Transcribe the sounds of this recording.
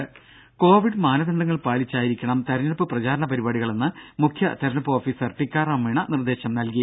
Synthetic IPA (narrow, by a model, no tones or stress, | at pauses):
ko̞ːʋiɖɨmaːnɐðɐɳɖɐŋːɐɭpaːɭit͡ɕːaːjiɾikʲːɐɳɐmt̪ɐɾɐnɐpːɨprɐt͡ɕaːɾɐɳɐpɐɾibaːɽiɣɐɭe̞nːɨmukʰjɐt̪ɐɾɐnɐpːɨoːfiːsɐrʈikʲːaːrɐmiɳɐnird̪e̞ːɕɐmnɐlki